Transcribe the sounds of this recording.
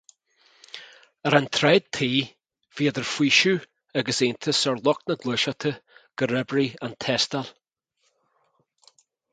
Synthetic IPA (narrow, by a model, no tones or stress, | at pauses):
əɾant̪ʰɾɛd̪̚t̪ʰiː | v̥iːəd̪əɹfwiːʃʉ | aɡəsent̪ʰəsɔɹlˠɔknəɡlˠəʃat̪ʰəɡ̥əɹɛbɹiant̪ʰɛst̪al